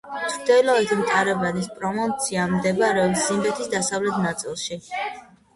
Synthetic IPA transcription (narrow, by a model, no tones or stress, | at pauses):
t̪ʰɾd̪ɛlɔɛt̪ʰmt̪ʼaɾɛbanispʼɾɔmɔnt̪sʰiamd̪ɛbɾɛɔbszimbɛt̪ʰisd̪asavlɛt̪ʰnat̪sʼḭlˠʃi